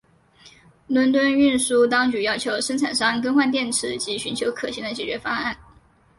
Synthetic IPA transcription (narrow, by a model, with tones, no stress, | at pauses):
lwə˧˥nt̪̬wə˥ny˥˧nʂu˥˩t̪ɑ˥ŋt͡ɕy˧˥jɑ˥ʊt͡ɕʰjo˧˥ʊʂə˥ŋʈ͡ʂʰa˨˩nʂɑ˥ŋkə˥nxwa˥˧nt̪̬jɛ˥˩nʈ͡ʂʰɻ̩˧˥t͡ɕi˧˥ɕy˧˥nt͡ɕʰjo˧˥ʊkʰɤ˨˩ɕi˥˩ŋd̪ə˩t͡ɕjɛ˨˩t͡ɕɥɛ˧˥fɑ˥ŋa˥˩n